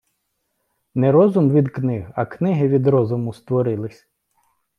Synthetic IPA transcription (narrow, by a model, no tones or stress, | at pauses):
nɛɾɔzʊmʋʲid̪knɪɦɐknɪɦɪʋʲid̪ɾɔzʊmʊst̪ʋɔɾɪlˠɪsʲ